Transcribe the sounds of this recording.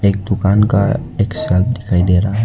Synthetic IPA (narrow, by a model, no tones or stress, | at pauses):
ek̚d̪ʊkanka̰eksɛlt̪̚d̪ikʰaid̪eɾa